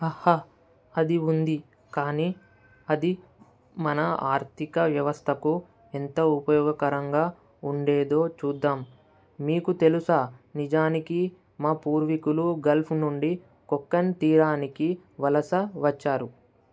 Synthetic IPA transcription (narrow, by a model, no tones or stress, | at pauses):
ɐha | ɐd̪iund̪i | kaːniː | ɐd̪i | mɐnɐa̰ːɾt̪ʰikɐʋjɐʋɐst̪ʰɐku | ent̪ɐupɐjɔːɡɐkɐɾɐŋɡaː | uɳɖeːd̪o̞ːt͡ʃuːd̪ːaːm | miːkut̪e̞lusaːnid͡ʒaːniki | maːpuːɾʋikuluɡɐlpʰnuɳɖi | kɔkːɐnt̪iːɾaːnikiʋɐlɐsɐʋɐt͡ʃːaːɾu